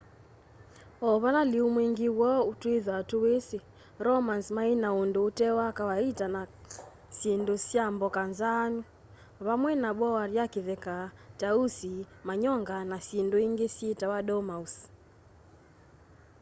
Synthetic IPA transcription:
ɔβalaliumweŋɡiwɔutueðatuwese | ɾɔmansmainaondoːtɛwakawaitana | sendosjambɔkanzanu | βamwɛnaɓɔwaɾjakeðɛkatausimaɲɔŋɡanasindoiŋɡesjetawaɗɔmaus

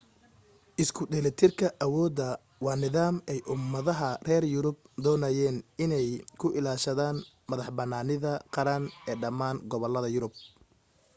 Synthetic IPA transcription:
ʔɪskʰʊd̪ɛlɛt̪ʰɪrkʰɐʔɐwɔːd̪ɐ | wɑːnɪðaːmɛjʔʊmːɐðɐɦɐrɛːrjʊɾʊb̚d̪ɔːnɐjɛːnɪnɛjkʰʊʔɪlaːʃɐðaːn | mɐðɑħbɐnːaːnɪðɐqɑɾɐnɛːɖɐmaːnɡɔβɔlɐðɐjʊɾʊb̚

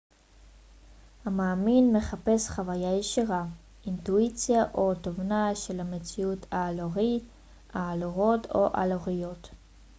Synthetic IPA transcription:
hamaːminme̞χape̞sχavajajeʃiʁa | intuit͡sjaʔo̞tovnaʃe̞lhamet͡siutʰaːloʁit | aːloʁotʰoʔa̰loʁijo̞t

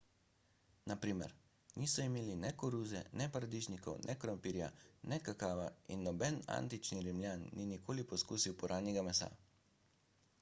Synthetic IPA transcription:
napɾiːmɛ̰ɾ | niːsɔimeːlinɛkɔɾuːzɛnɛpaɾad̪iʒnikɔ̰wnʔɛkɾɔmpiːɾja̰nɛkakaːʋainːɔbɛna̰ːnt̪it͡ʃniɾimlʲjaːnːinikoːlipɔskuːsiwpɔɾʔaːnjɛɡamɛsa̰ː

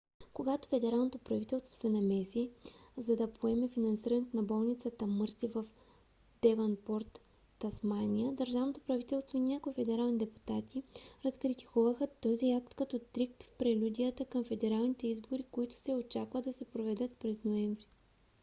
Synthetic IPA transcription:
koɡat̪o̥fɛd̪ɛɾalˠnot̪opɾɐvit̪ɛlˠst̪vo̥sɛnɐmɛsizɐd̪ɐpʰoɛmɛfinɐnsiɾənɛt̪ʊnɐbɔlˠnit̪sət̪əmɤɾsivɐf | d̪̥ɛvɐnpɔɾt̪ː | ɐsmanʲiəd̪əɾʒavnot̪o̥pɾɐvit̪ɛlˠst̪voinʲakoifɛd̪ɛɾalˠnid̪ɛpu̥t̪at̪iɾɐskɾit̪i̥kuvəxət̪ɔziak̚t̪kɐt̪ɔt̪ɾik̚t̪fpɾɛlʲud̪ʲijət̪əkəmfɛd̪ɛɾalˠnit̪ɛizboɾikoit̪ʊ̥sɛot͡ʃakvəd̪ɐsɛpɾovɛd̪ət̪pɾɛznoɛɱvɾi

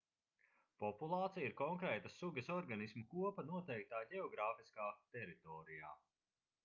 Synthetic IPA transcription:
pɔpulˠaːt̪sijiɾkɔŋkɾɛːt̪ɐsuɡɐsɔɾɡanismukuɔpɐnuɔt̪ɛjk̚t̪aːɟɛɔɡɾaːfiskaːt̪ɛɾit̪ɔːɾija̰ː

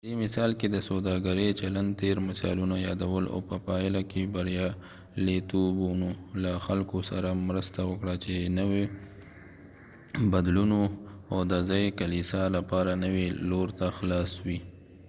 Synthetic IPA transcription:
pəd̪emɪsɑlked̪əsod̪ɑɡaɾet͡ʃaland̪̚t̪eɾmɪsɑ̰lunajɑd̪awəla̰wpəpɑɪlakebaɾjɑ | let̪obunolaxalkosaɾamɾəst̪awəkɽat͡ʃenəwe | bad̪lunoawd̪azɑjekalisalapɑɾanəweloɾt̪axlɑswi

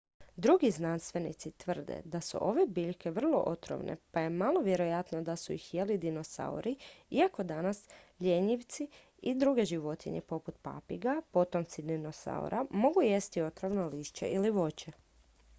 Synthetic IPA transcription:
d̪ɾuɡiznanst̪ʋe̞nḭt̪sit̪ʋr̩d̪ḛd̪asṵʔo̞ʋe̞biʎke̞ʋr̩lˠo̞̰ʔot̪ɾo̰ʋnʔḛpaje̞malˠo̞ʋje̞ɾo̞jat̪nod̪asuixjelid̪ino̞sa̰ṵɾiiako̞d̪anasʎeɲiʋt̪si | id̪ɾuɡe̞ʒiʋo̞t̪ḭɲepo̞put̪pa̰piɡapo̞t̪o̞mt̪sid̪inosa̰ṵɾʔamo̞ɡuje̞st̪io̞t̪ɾoʋnoliːʃt͡ɕḛʔiliʋo̞t͡ɕe

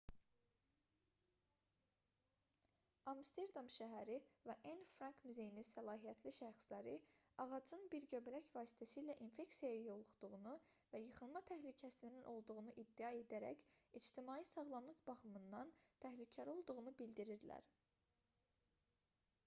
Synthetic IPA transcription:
ɑmst̪e̞ɾd̪ɑmʃæɦæɾivæʔænfɾɑŋkmyze̞jininsælˠɑːɦijæt̪ʰliʃæɾχslæɾiɑʁɑd͡ʒɯnbiɾɟø̞blæçvɑːsi̥t̪ʰæsiilæʔinfe̞ksijɑjjo̞lˠuχd̪̥uʁunuvæjɯχɯnmɑt̪ʰæhlycʰæsiininʔo̞lˠd̪uɣunuʔid̪ːijɑe̞d̪æɾæ̰cid͡ʒt̪ʰimɑːisɑɣlˠɑnlˠɯqb̥ɑχɯmɯnd̪ɑnt̪ʰæhlycʰæɾo̞lˠd̪uɣunubild̪iɾiɾlæ̰ɾ

